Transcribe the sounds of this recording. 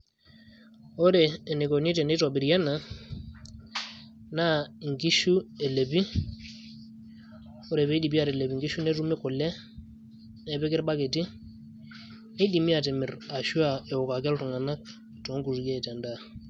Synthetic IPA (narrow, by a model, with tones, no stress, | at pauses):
ɔ˦ɾɛː˨ne˨ko˨ni˦tɛ˨nɛ˦tɔ˨bi˨ɾjɛ˦na˨ | na˦ŋɡi˦ʃu˦e˨le˨bi˦ | ɔ˦ɾɛ˨βɛ˦di˨bi˦a˨ɾɛ˨le˨bi˨ŋɡi˦ʃu˦nɛ˦tu˦mi˦kɔ˨lɛ˦ | nɛ˨bɛ˦kɪ˦ɾba˦ke˨ti˦ | ni˦di˨mi˦a˨tɛ˨mɪ˨ɾa˨ʃu˦a˨ɛ˨ɔ˨ka˨kɛ˦ltu˨ŋa˨na˦k̚ | to˨˦ŋɡu˨ɾɡɛ˦˨tɛ˨nda˦˨